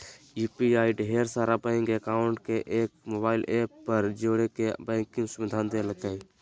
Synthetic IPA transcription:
uːpiaːiɖɦeːɾsaːɾabɛ̃ɪŋkekaːʊɳʈkeʔeːk̚moːbaːɪlʔeːpːəɾd͡ʒoːɽekebɛ̃ːŋkĩsəʋid̪ʱaːnd̪eləkai

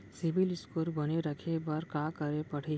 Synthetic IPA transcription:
sibilɪskuɾbəneɾəkʰebɐɾkãkəɾepəɽ̤e

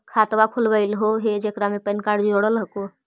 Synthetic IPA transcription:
kʰat̪ʋakʰulbəɪlɦoɦed͡ʒekɾamepənkaɾɖd͡ʒoɽəlɦəko

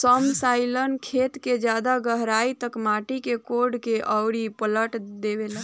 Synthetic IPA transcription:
səmsailənkʰet̪ked͡ʒjad̪aɡəɦɾait̪əkmaʈikekoɖkeʔəwɽipələʈd̪ebelə

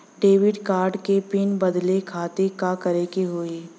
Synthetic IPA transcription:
ɖeːʋɪɖkaːɾɖkepɪnbɐd̪lekʰaːt̪ekakɐɾekeɦoːiː

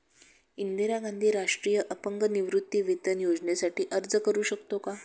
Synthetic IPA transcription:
ind̪iɾaɡand̪ʱiːɾaʂʈɾijəʔəpəŋɡəniʋɾut̪ːiːʋit̪ənjod͡znesaʈiːʔəɾd͡zəkəɾuːɕəkt̪oka

